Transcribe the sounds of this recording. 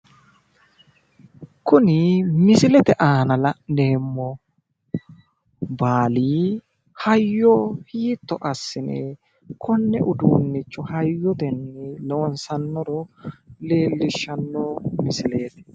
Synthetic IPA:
kʊnɪmɪsɪlɛt̪ɛʔaːnɐlɐneːmːɔ | baːliː | hɐjːɔhiːt̪ːɔʔɐsːɪnɛ̰ | kʰɔnːɛ̰ʔʊd̪uːnːɪt͡ʃːʊhɐjːɔt̪ɛnːɛlɔnsɐnːɔɾɔle̞ːlːɪʃːɐnːɔmɪsɪleːt̪ɛ̥

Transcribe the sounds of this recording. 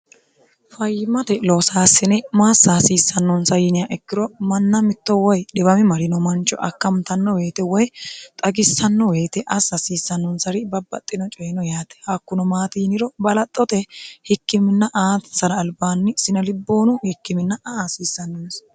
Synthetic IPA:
fɐjɪmɐt̪ɛlosaːsːɪnɛmaːsːaːsiːsːɐnːɔnsɐjɪnɪjaʔɛkːɪɾɔmɐnːɐmɪt̪ːɔwɔjᶑɛbɐmɪmɐɾɪnɔmɐnt͡ʃʼːɔ̰ʔɐkːɐmt̪ɐnːɔwe̞ːt̪ɛwɔjt̪ʼɐɡɪsːɐnːɔwe̞ːt̪ɛʔɐsːɐsiːsːɐnːɔnsɐɾɪbɐbːɐ̰t̪ʼːɪnɔt͡ʃʼɔjnɔjaːt̪ɛ̥haːkːʊnɔmaːt̪iːnɪɾɔbɐlɐt̪ʼːɔt̪ɛhɪkːɪmɪnːɐʔaːt̪sɐɾɐːlbaːnːɪsɪnɐlɪbːo̞ːnʊhɪkːɪmɪnːɐɐaːsiːsːɐnːɔns

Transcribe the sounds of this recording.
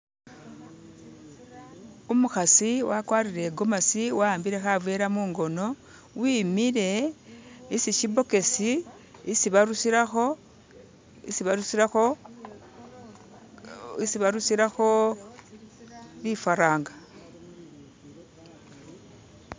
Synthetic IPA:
omuxasiwakwaːɾiɾe̞ɡomasiwaːmbiɾe̞xavweɾamuːŋɡo̞no̞ | wiːmiɾe̞ | isiʃibo̞ke̞si | siβaɾusiɾaxo | siβaɾusiao | isiβaɾusiɾaxo̞ | βifaɾaːŋɡḁ

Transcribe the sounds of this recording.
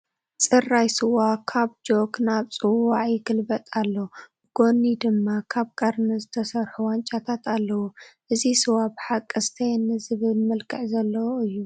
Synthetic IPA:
t͡sʼɨrajsɨwakʰaβd͡ʒo̞knaβt͡sʼɨwaʕjɪɡɨlbɐt̪ʼalːo | ɡ̥o̞nid̪ɨmːakʰaβkʼɐɾnɨzɨt̪ʰɐsɐɾħuwant͡ʃʼat̪ʰat̪ʰalːɐwuʔɨzisɨwabħakʼːɨst̪ʰɐjnɨzɨβɨlmɐlkʼʰɨʕzɐlːɐwoʔɨjːu

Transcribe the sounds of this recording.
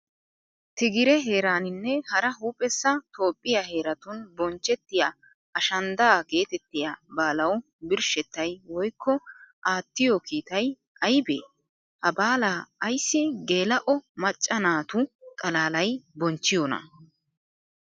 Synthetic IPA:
t̪ɪɡɪɾɛɦe̞ːɾaːnɪnːɛhɐɾɐɦuːpʼːɛsːɐt̪o̞ːpʼːɪjaɦe̞ːɾɐt̪ʊnbɔnt͡ʃːɛt̪ːɪja | ɐʃɐnd̪aːɡe̞ːt̪ɛt̪ːɪjabaːlɐw | bɪɾʃɛt̪ːɐjwɔjkːɔʔaːt̪ːɪjɔkiːt̪ɐj | ʔɐjbḛ | hɐbaːlaːjsːɪɡe̞ːlɐʔɔmɐt͡ʃʼːɐnaːt̪ʊkʼɐlaːlɐjbɔnt͡ʃːɪjɔnɐ̰

